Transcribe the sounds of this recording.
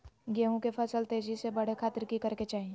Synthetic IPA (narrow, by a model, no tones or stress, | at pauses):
ɡeɦõkepʰɐsəlt̪eːd͡ʒisebɐɽ̤ekʰaːt̪ɪɾkikɐɾket͡ʃaːɦĩ